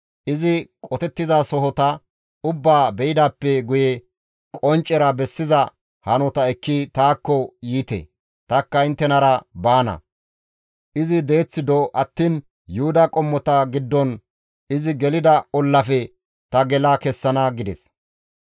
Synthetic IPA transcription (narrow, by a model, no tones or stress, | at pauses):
ʔɪzɪkʼɔt̪ɛt̪ːɪzasɔɦɔt̪ɐ | ʊbːaːbɛjɪd̪aːpːɛɡʊjɛ | kʼɔnt͡ʃʼːɛɾɐbɛsːɪzɐ | hɐnɔt̪ɐɛkːit̪aːkːɔjiːt̪ɛ̰ | t̪ɐkːɐɪnt̪ːɛnɐɾɐbaːnɐ̰ | ʔɪzɪd̪e̞ːt͡sːɪd̪ɔʔɐt̪ːiːn | jʊhʊd̪ɐkʼɔmːɔt̪ɐɡɪd̪ːɔn | ɪzɪɡɛlɪd̪ɐɔlːɐfɛ | t̪ɐɡɛlɐkɛsːɐnɐɡɪd̪ɛs